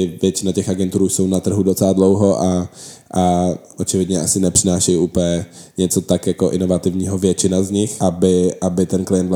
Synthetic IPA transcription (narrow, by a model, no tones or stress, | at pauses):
ɪvjɛt͡ʃɪnacɛxʔaɡɛnt̪uɾuʃsownat̪r̩ɦudot͡sɛladlowɦo̞ʔaʔaʔot͡ʃɪvɪdɲɛʔasɪnɛpr̥ɪnaːʃɛjuːpəɲɛ | ɲɛt͡so̞t̪akjakoʔɪno̞vat̪ɪvɲiːɦovjɛt͡ʃɪnazɲɪxʔabɪʔabɪt̪ɛnklɪjɛnt̪